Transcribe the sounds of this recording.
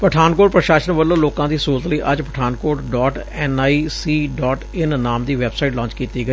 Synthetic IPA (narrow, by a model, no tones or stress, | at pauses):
pəʈʰaːnkoːɽpɾəʃaːʃənʋəlːõːloːkãːd̪iːsuːɾət̪ləiːʔəd͡ʒpəʈʰaːnkoːʈɖɔːʈɛːnaːisiːɖɔːʈɪnːaːmd̪iːʋɛːbsaːiʈlɔ̃ːnt͡ʃkiːt̪iːɡəiː